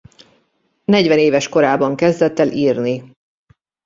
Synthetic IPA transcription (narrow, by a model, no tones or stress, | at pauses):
nɛɟvɛneːvɛʃko̞ɾaːbɒŋkɛzd̪ɛt̪ːɛliːrni